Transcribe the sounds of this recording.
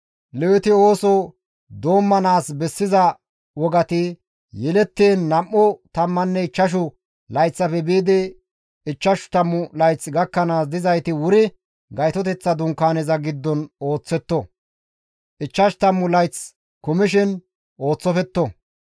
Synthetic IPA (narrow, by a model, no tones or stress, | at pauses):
lɛwɪt̪ɪo̞ːsɔ | d̪o̞ːmːɐnaːsbɛsːɪzɐ | wɔɡɐt̪ɪ | jɛlɛt̪ːeːnːɐmːɔt̪ɐmːɐnːɛɪt͡ʃːɐʃ̬ʊ | lɐjt͡sːɐfɛbiːd̪ɪ | ɪt͡ʃːɐʃt̪ɐmːʊlɐjt͡sɡɐkːɐnaːsd̪ɪzɐjt̪ɪwʊɾɪ | ɡɐjt̪ɔt̪̬ɛt͡sːɐd̪ʊŋkːaːnɛzɐɡɪd̪ːɔno̞ːt͡sːɛt̪ːɔ | ɪt͡ʃːɐʃt̪ɐmːʊlɐjt͡s | kʊmɪʃɪn | o̞ːt͡sːɔfɛt̪ːɔ